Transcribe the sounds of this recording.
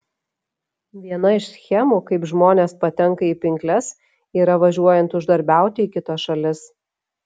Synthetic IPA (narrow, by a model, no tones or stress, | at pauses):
ʋʲiɛnɐɪʃsʲxʲɛmuːkɐɪpʒmoːnʲeːspɐt̪ʲɛŋkɐiːpʲɪŋʲklʲɛs | iːɾɐʋɐʒʲuɔjɛnt̪ʊʒd̪ɐɾʲbʲæˑʊt̪ʲɪiːkʲɪt̪ɐsʃɐlʲɪs